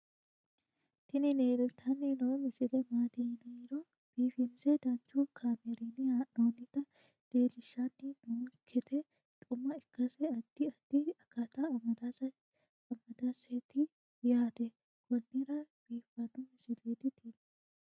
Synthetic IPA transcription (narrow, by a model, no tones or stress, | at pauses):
t̪ɪnɪneːd̪ɛt̪ʰɐnːɪnɐwmɪsɪlɛmaːt̪ɪnɛɾɔ | b̥iːfɪnsɛd̪ɐnt͡ʃːukʰaːmɛɾinɪnoːnɪt̪ɐ | d̪̥e̞ːlɪʃːanːɪnoːkʰːɛt̪ʰɛ | t̪ʼʊmːɐɪkːɐsɛɐd̪̥ːɪɐd̪̥ːɪɐkːɐt̪ɐɐd̪ | ɐmːɐd̪aset̪ɪ | jaːt̪ɛ | kʰɔnːɪɾɐb̥iːfːɐnʊmɪsɪlːiːt̪ɪt̪iːnɛ